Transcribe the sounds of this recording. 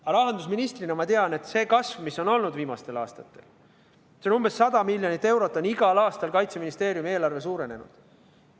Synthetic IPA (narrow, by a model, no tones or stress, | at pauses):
ɑɾɑɦɑnd̪usminist̪rinɑmɑt̪eɑne̞t̪ːse̞ːkɑsvmisːo̞no̞lnud̪viːmɑst̪e̞lɑ̰ːst̪ɑt̪ːˑe̞̰l | seonumbesːɑd̪ɑmilʲːjonit̪ːˑe̞wɾo̞t̪ːˑo̞niɡ̥ɑlɑːst̪ɑlkɑjt̪seminist̪e̞ːɾjume̞ːlɑrve̞suːɾe̞ne̞̰nṵd̪̥